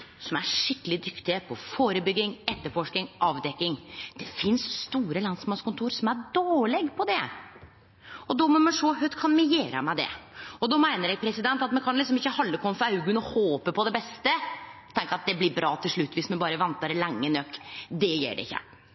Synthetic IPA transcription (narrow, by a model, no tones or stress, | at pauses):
sɔmæʂɪkːəlɪd̪ʏkt̪ɪəpʰɔfoːɾəbʏɡːɪŋɛt̪ːəɾfɔʂkɪŋʔɑːʋd̪ɛkːɪŋd̪̥ɛfɪnsst̪uːɾəlɑnsmɑnskʊnt̪ʰuːɾsɔmæɖoːɭɛɡpʰɔd̪ɛ | ɔd̪ɔmɔmɛʂɔɦœt̪kʰɑnmɪjeːɾə̰mɛd̪ɛ̰ɔd̪ɔːmæɪnəɾɛɡ̚pʰɾɛsɪd̪ɛnt̪ɑt̪mɛnkʰɑnlɪksɔmɪçːəhɑlːəkʰɔmːəfɔɾɑʉɡʉnɔhoːpəpɔd̪ɛbɛst̪ət̪ʰɛŋkəɾɑt̪̚d̪ɛblɪɾbɾɑːt̪ʰɪlʂɭʉt̪ːʋɪsmɛnbɑːɾəʋɑnt̪əɾlæŋːənœkːd̪ɛjɛ̰ːɖɛ̰ɪçːə̰